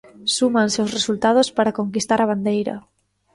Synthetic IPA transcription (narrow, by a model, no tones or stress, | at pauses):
sumãnsewsresult̪að̞ospaɾakoŋkist̪aɾɐβ̞and̪ejɾɐ̰